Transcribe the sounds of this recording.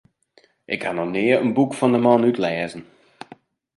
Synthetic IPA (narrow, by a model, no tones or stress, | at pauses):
ʔɪkhanɔnɪəɾənbukfɔndəmɑnytlɛːzən̩